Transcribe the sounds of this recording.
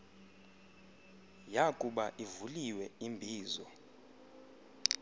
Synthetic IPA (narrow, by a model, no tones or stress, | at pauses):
jakʼuɓaʔivuliwɛimbʱiːzɔ